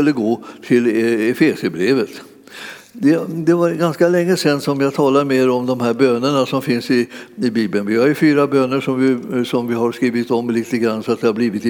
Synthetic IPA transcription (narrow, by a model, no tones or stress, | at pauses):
ɵlːəɡoːt̪ʰɪlɛfeːsəbɾeːvət̪ | d̪ɛd̪ɛvaɾɡanskalɛŋːəsɛnːsɔmjɑɡt̪ʰɑːlameːɾɔmd̪ɔmɦæːɾbøːnəɳasɔmfɪnsɪɪbiːbənvɪhaɾjɵfyːɾabøːnːəʂɔmvɪsɔmvɪɦaɾskɾiːvɪt̪ɔmːliːt̪əɡɾanːsɔat̪̚d̪ɛhaɾbliːvɪt̪